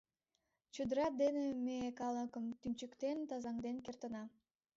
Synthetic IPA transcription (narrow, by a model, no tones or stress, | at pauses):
t͡ɕud̪əɾɑd̪enemeekɑləkəmt̪ynʲt͡ɕəkt̪ent̪ɑzɑŋd̪enkert̪ənɑ